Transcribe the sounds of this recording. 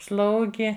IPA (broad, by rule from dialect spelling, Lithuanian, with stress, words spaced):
ˈslˠɐʊɡʲɪ